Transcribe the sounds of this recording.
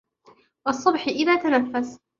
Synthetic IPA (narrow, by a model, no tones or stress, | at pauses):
wɑsˤːɑbħɪʔɪðaːt̪anafːas